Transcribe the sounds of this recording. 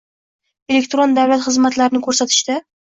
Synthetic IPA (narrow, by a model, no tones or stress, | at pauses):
e̞lek̚ʲt̪ɾond̪awlat̪χɨzmat̪laɾɪnɪkʰɵɾsat̪ʰɪ̥ʃt̪a